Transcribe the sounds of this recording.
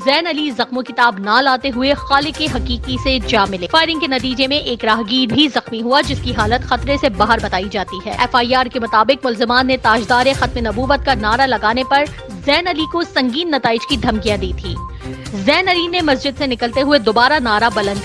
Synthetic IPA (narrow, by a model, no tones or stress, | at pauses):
zɛːnɐlizɐxmõkɪt̪aːbnalaːt̪eɦʊexaːlɪkeɦɐkiːkised͡ʒaːmɪlefaːɪɾɪ̃ŋɡkenɐt̪iːd͡ʒemẽʔeːkɾaːɦɡiːd̪bʱizɐxmiɦuad͡ʒɪskiɦaːlət̪xɐt̪ɾesebaːɦəɾbɐt̪aːid͡ʒaːt̪iɦɛ̰ːɛːfaːiaːɾkemʊt̪aːbɪkmʊlzɪmaːnːet̪aːd͡ʒd̪aːɾexɐt̪menɐbuːʋət̪̚kanaːɾalɐɡaːnepɐɾ | zɛːnɐlikosɐ̃ŋɡiːnːɐt̪aːɪd͡ʒkid̪ʱɐmkijad̪iːt̪ʰḭː | zɛːnɐlinemɐsd͡ʒɪd̪senɪkəlt̪eɦʊed̪oːbaːɾanaːɾabɐlə̃nd̪